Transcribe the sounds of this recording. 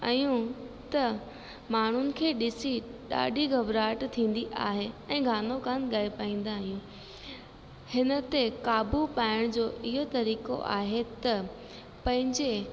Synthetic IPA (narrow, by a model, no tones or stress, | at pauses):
ɐjũ | t̪ɐ | maːɳ̤ʊnɪ̆kʰeːɗɪsiɗa̰ːɗʱiɡʱɐbɾaːʈt̪ʰĩːn̆d̪iʔaːɦeɛ̃ːɡʱaːnokaːnɠaːipaːĩːn̆d̪aːɦijũː | hɪnə̆t̪ekaːbupaːɪɽ̃d͡ʑoːɪɦot̪ɐɾiːko̰ʔa̰ːɦet̪ɐ | pɐ̃ɦɪ̃ɲd͡ʑe